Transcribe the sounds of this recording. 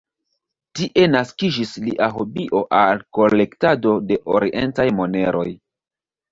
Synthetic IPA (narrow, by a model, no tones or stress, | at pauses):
tiʔe̞naskid͡ʒisliʔaɦobiʔo̞ʔalko̞le̞ktado̞de̞ʔoɾiʔe̞ntajmo̞ne̞ɾo̞̰j